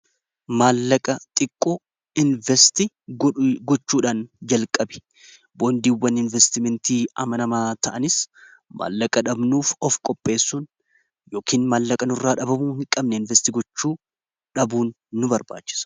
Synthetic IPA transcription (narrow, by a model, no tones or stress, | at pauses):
maːlːɐkʼɐt̪ʼɪkʼːɔ | ɪnvɛst̪i | ɡɔt͡ʃːuːᶑaːnd͡ʒɐlkʼɐbɪ̥ | boːnd̪iːwːɐnɪnvɛst̪ɪmɛnt̪iːɐmɐnɐmaːt̪ɐʔɐnɪs | ma̰ːlːɐkʼɐᶑɐbnuːfɔfkʼɔpʼːe̞ːsːuːn | jo̞ːkʰiːnmaːlːɐkʼɐnʊrːaːᶑɐbɐmʊhɪŋkʼɐbnɛɪnvɛst̪iːɡɔt͡ʃːuː | ᶑɐbuːnː | ʊbɐɾba̰ːt͡ʃːɪ̥sɐ̥